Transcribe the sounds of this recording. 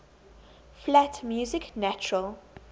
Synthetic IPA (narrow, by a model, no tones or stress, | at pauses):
flɛtmjuːzɪknæt͡ʃʊɹəl